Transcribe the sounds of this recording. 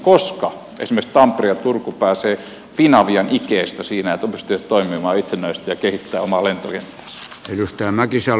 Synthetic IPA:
koskɑ | ʔḛsimekst̪ɑmpriɑt̪urkupæːseː | finɑʋiɑnʔikeːst̪æsiːnæet̪opyst̪yʋæt̪t̪oimˑimɑːit̪senːˑæist̪æjɑkehit̪ːæːomɑlent̪okent̪ːˑæ̥ːs | eijust̪æːmækisɑ

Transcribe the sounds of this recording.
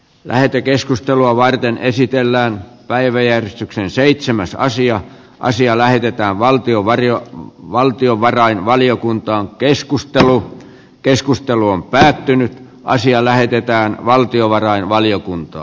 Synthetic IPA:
lʔæ̰het̪ekeskust̪eluɑʋɑrt̪enesit̪elːæːnpæiʋæjærest̪yksenseit̪semæsɑ̰siɑ | ʔɑ̰siɑlæhet̪et̪æːʋʋɑlt̪ioʋɑrjoʋɑlt̪ioʋɑrɑinʋɑliokunt̪ɑːŋkeskust̪elu | keskust̪eluompæːt̪ːynyt̪ | ʔɑ̰siɑlæhet̪et̪æːnʋɑlt̪ioʋɑrɑinʋɑlijokunt̪ɑ̰ː

